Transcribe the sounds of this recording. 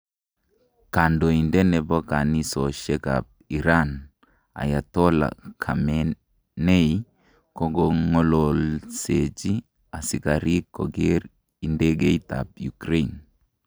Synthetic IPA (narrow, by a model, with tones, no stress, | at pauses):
ka˨ndɔ˨i˨ndɛ˦nɛ˨bɔ˦ka˨ni˦sɔ˨ʃɛ˦ka̰˨p̚i˨ɾan | a̰˨ja˨tɔ˦la̰˨kʰa˨mɛ | ne˦i | kɔ˦ɡɔŋɔ˦lɔ˨lse˨d͡ʒi˦ | a˨si˨ka˨ɾi˦kːɔ˨ɡɛ˦ɾ | i˨ndɛ˦ɡe˦ita̰˨pju˨kɾe˦n